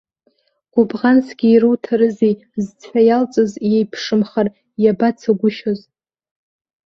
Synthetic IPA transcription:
ɡ̥ʷʊbʁansɡʲiːrɨwtʰaɾɨzi | zt͡sʷʰajalt͡sʼozjejpʰʂɨmχar | jabat͡sʰaɡʷʊʃoz

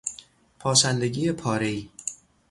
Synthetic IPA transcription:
pʰɒːsænd̪e̞ɟiːepʰɒːɾeiː

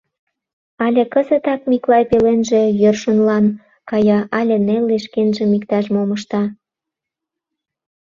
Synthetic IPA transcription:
ɑlʲĕkəzə̆t̪ɑkmiklɑjpelenʒĕjørʃonlɑn | kɑjɑʔɑlʲĕnelːeʃkenʒĕmikt̪ɑʃmoməʃt̪ɑ

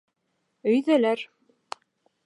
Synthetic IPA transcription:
ɵ̆jðælæɾ

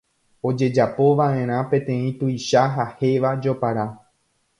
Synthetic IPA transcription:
o̞d͡ʒe̞d͡ʒapo̞ʋaʔẽ̞ɾ̃ãpẽ̞t̪ẽ̞ĩt̪ujʃaɦahe̞ʋad͡ʒo̞paɾa

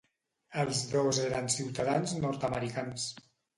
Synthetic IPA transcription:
əlˠzðozeɣɾənsiwt̪aðanznɔɾt̪əməɾikans

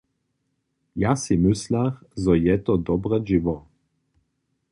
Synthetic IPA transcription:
jasimɪslaxzɔjɛt̪ɔd̪ɔbʁɛʒivɔ

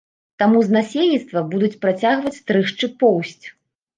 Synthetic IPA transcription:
t̪amuznasʲelʲnʲit̪st̪vɐbud̪ut͡sʲpɾat͡sʲaɣvɐt͡sʲt̪ɾɨʂt͡ʂɨpɔwsʲt͡sʲ

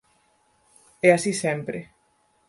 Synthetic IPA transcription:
ɛasisẽmpɾe

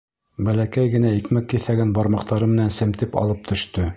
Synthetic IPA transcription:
bælækæjɡɘ̆næikmækːiθæɡænbɑɾmɑq̚t̪ɑɾɤmɘ̆nænsɘ̆mt̪ɘpɑ̰lˠɤp̚t̪ʰɵ̆ʃt̪ɵ

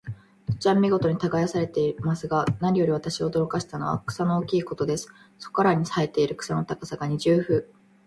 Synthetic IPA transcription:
t̪o̥t͡ɕiamːʲiɡo̞t̪o̞ɲ̟it̪aɡajasaɾe̞t̪e̞imasɨɡanaɲʲijo̞ɾʲiβat̪aɕioːd̪o̞ɾo̞kaɕi̥t̪ano̞̰βa̰kɯ̟̥sanookʲiːko̞t̪o̞d̪e̞sɨ̥ | so̞̥kaɾaɲ̟isae̞t̪e̞iɾɯ̟kɯ̟̥sano̞t̪akasaɡaɲ̟iʑɨːɸɯ̟ː

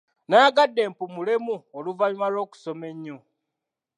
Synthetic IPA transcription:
naːɡadːe̞ːmpumulemuoluvalumalo̞ːku̥so̞me̞ɲːo

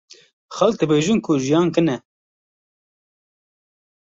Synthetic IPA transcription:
xɛlk̚d̪ɨbeːʒɨnkʰʊʒijɑːnkɨnɛ

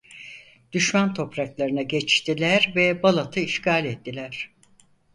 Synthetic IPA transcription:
d̪̥yʃmant̪ʰo̞pɾaklˠaɾɯnaɟɛt͡ʃt̪ʰilʲæɾvɛbalˠat̪ʰɯiʃkʰaːlʲɛt̪ːilʲæɾ̝̥

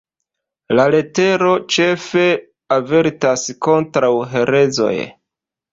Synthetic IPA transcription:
lale̞te̞ɾo̞t͡ʃe̞fe̞ | ave̞ɾtasko̞ntɾawɦe̞ɾe̞zo̞̰j

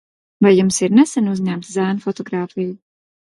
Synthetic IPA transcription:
vajːumsiɾnɛsænuzɲæmt̪zæːnfɔt̪ɔɡɾaːfiju

